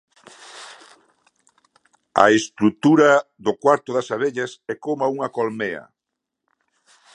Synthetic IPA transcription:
a̰est̪ɾut̪uɾaðʊkwaɾt̪ʊðasaβeʎasɛkomauŋɐkolmeɐ̰

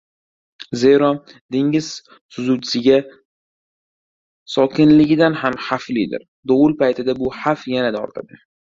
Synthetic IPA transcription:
ze̞jɾɒ | d̪eŋɪz̥ | sʊzuwt͡ʃʰɪ̥sɪɡʲa | sɒkʰʲɪnlɪɡʲɪd̪anhamhaflɪd̪ɪ̰ɾ | d̪oʊlpʰajt̪ʰɪd̪abʊhafjanad̪aɒ̰ɾt̪ʰad̪ɪ

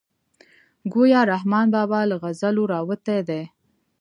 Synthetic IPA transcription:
ɡojɑɾahmɑnbɑbɑləɣazaloɾɑwət̪ed̪e

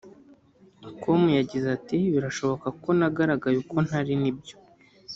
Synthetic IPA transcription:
komujaɟizatiβiɾaʃo̞βo̞kako̞naɡaɾaɡajuko̞n̥haɾinib̚ɟo

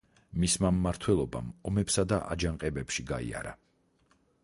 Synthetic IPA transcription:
mismamːaɾt̪ʰwɛlˠɔba̰mɔmɛpsad̪aʔa̰d͡ʒaŋqʼɛbɛpʃiɡaḭa̰ɾa

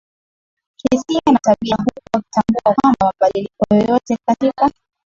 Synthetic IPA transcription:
hisianataɓiaɦukuwaku̥tambuakwambamaɓaɗilikɔjɔjɔtɛkatika

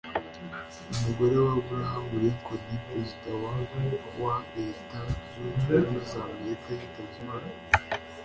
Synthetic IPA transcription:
umuɡoɾe̞wabuɾahamuɾekʰodipɾezitawa | waɾeta | uamuzameɾikazitazimaɾ

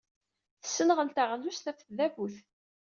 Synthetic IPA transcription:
θə̥sːənəʁəlt̪aʁlust̪æfθðævuθ

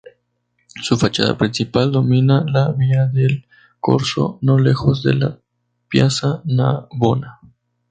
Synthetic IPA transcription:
sufat͡ʃa̰ða̰pɾinsipald̪o̞mĩnalaβiaðe̞l | ko̞ɾso̞̰no̞le̞xo̞zðe̞̰la̰ | pjasanaβo̞na

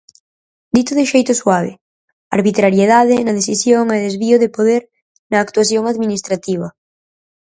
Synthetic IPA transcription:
d̪it̪oðɪʃejt̪ʊswaβɪ̰ | a̰ɾβit̪ɾaɾjeðaðɪnɐðeθisjoŋeðezβioðɪpoðeɾ | nɐːkt̪uaθjoŋaðminist̪ɾat̪iβ̞ɐ

